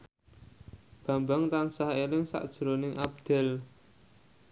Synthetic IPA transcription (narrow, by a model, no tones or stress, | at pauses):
b̥a̤mbaŋt̪aŋsaɦelɪŋsa̰ʔd̥ʒ̥ɾonɪŋʔab̚d̪̥ɛ̤l